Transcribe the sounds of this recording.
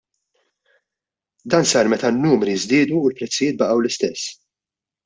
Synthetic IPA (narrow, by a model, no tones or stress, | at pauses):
d̪ɐːnsɐːɾmɛt̪ɐnːuːmɾizd̪ɪːd̪uːlpɾɛt͡sːɪjɪːt̪̚bɐʔɐwlɪst̪ɛsː